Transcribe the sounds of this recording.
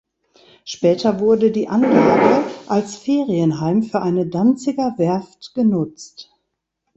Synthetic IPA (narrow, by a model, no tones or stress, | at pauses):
ʃpɛːtʰɐvʊɐdədiːʔanlaːɡəʔalsfeːʁiənɦaɪmfyːɐʔaɪnədant͡sɪɡɐvɛɐftɡ̥ənʊt͡st